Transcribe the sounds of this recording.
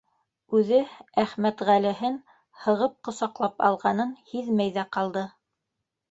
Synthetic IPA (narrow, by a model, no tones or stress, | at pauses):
ʉðɘæχmæt̪ʁælɘ̆ɦɘn | hɤ̆ʁɤp̚qŏsɑqlˠɑpɑ̰lˠʁɑnɤnhiðmæjðæqɑlˠd̪ɤ